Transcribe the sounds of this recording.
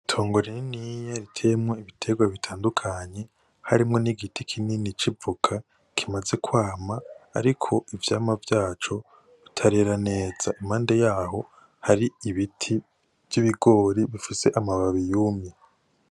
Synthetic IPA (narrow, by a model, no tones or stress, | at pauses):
tʰo̞ːŋɡoɾeninijaɾitʰe̞mŋweiβitʰe̞ɡwaβitʰaːndukʰaɲe̞ | haɾimŋo̞niɡitʰikʰininit͡ʃivukʰa | kʰimaze̞kʰwaːma̰ːɾikʰo̞ivjaːmavjaːt͡ʃo̞ | βitʰaɾe̞ɾane̞ːz̥aʔimhaːnde̞jaːɦo̞ | haɾiiβitʰi | vjiβiɡo̞ːɾiβifise̞ʔamaβaβijuːmje